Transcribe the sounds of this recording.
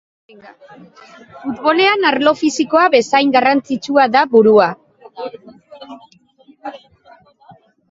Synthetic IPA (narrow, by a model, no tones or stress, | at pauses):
fut̪βo̞le̞anaɾlo̞fisiko̞aβe̞sajŋɡarant͡sit͡ʃuaðaβuɾua